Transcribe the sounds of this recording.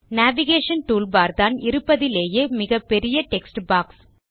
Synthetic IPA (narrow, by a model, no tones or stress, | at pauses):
naːʋɪɣeːʂɐnʈuːlbaːɾðaːnɪɾɯpːɐðɪleːjeːmɪɣɐpːɛɾɪjɐʈɛksʈbaːks